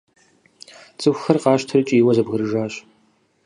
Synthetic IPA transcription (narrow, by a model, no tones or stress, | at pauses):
t͡sʼɨxʷxɐrqɑːɕtʰɐrɨt͡ʃʼiːwɐzɐbɣɨɾɨʒaːɕ